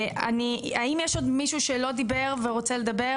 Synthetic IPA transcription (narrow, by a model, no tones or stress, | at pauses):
a̰niaimjeʃo̞d̪miʃuʃelo̞d̪ibe̞ʁveʁot͡seled̪abe